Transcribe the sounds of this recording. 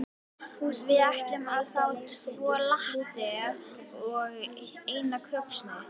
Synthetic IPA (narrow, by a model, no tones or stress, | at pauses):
fusvɪɛhcɪmaðθawt̪vɔːlaht̪ɛðɔɣejnakʰœksnɪ